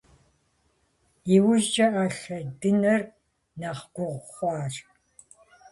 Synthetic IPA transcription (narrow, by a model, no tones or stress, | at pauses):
iwʊʒd͡ʒʼɐʔaɬɐdɨnɐr | nɐχɡ̥ʷʊʁʷχʷɑːr